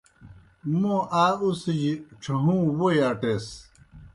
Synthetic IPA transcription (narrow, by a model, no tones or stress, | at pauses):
mõʔaːusid͡ʑiʈ͡ʂʰɐɦũːwojaːʈes